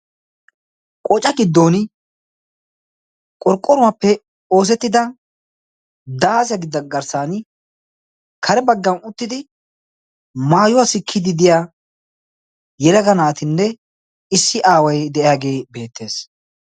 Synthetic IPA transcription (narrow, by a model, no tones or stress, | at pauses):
kʼɔt͡ʃʼɐɡɪd̪ːo̞ːnɪ | kʼɔɾkʼːɔɾʊwapːɛ | o̞ːs̬ɛt̪ːɪd̪ɐ | d̪aːsjɐɡɪd̪ːɐɡɐɾsaːn | kʰɐɾɛbɐɡːɐnʊt̪ːɪd̪ɪ | maːjʊwasɪkʰːɪd̪ɪd̪ɪjaː | jɛlɐɡɐnaːt̪ɪnːɛ | ɪsːɪʔaːwɐjd̪ɛʔjaːɡe̞ːbe̞ːt̪ːe̞ːs